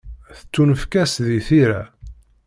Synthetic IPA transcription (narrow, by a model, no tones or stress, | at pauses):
θə̥t͡sːunəfkæsðiθiɾæ